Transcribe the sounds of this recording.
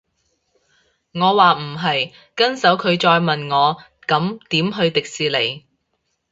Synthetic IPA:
ŋɔː˨˧waː˨m̩˨˩ɦɐ˨j | kɐ˥nsɐ˨˥wkʰɵ˨˧ɥt͡ʃɔː˧jmɐ˨nŋɔː˨˧ | kɐ˨˥mt̪iː˨˥mɦɵ˧ɥt̪ɪ˨k̚siː˨le˨˩j

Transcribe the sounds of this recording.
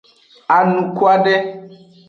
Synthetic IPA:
a˨nũ˨kwa˦ɖɛ˦

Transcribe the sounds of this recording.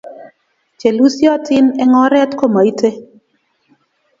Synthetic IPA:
t͡ʃe˨lu˦sjɔ˦tɪ˦nɛ˦ŋɔ˦ɾɛ˦tko˦ma˨i˦te˦

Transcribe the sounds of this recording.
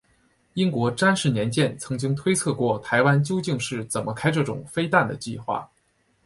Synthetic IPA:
i˥nkwɔ˧˥ʈ͡ʂa˥nʂɻ̩˥˩njɛ˧˥nt͡ɕjɛ˥˩nt͡sʰɤ˧˥ŋt͡ɕi˥ŋt̪ʰwe˥ɪt͡sʰɤ˥˧kwɔ˥˩t̪ʰa˧˥ɪwa˥nt͡ɕjo˥ʊt͡ɕi˥˧ŋʂɻ̩˥˩t͡sə˨˩nmə˦kʰa˥ɪʈ͡ʂɤ˥˩ʈ͡ʂʊ̰˨˩ŋfe˥ɪt̪a˥˩nd̪ə˩t͡ɕi˥˧xwa̰˥˩

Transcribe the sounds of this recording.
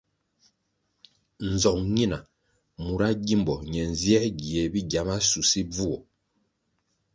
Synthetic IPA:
n̩˨zɔ˨ŋɲi˦na˨ | mu˨ɾa˦ɟi˦mbɔ˨ɲɛ˨n˨zjɛ˦ɡi˨e˨bi˦ɟja˨˦ma˦su˨si˦b͡vu˦ɔ̰˨

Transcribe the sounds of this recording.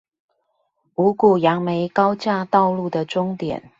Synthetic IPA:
u˧˥ku˨˩jɑ˧˥ŋme˧˥ɪkɑ˥ʊt͡ɕja˥˧t̪ɑ˥˧ʊlu˥˩d̪ə˩ʈ͡ʂʊ˥ŋt̪jɛ̰˨˩˦n

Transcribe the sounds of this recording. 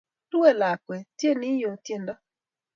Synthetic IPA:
tu˦e˦˨la˨kwɛ˨tje˦˨nɪ˦jo˨tje˦˨nda˦

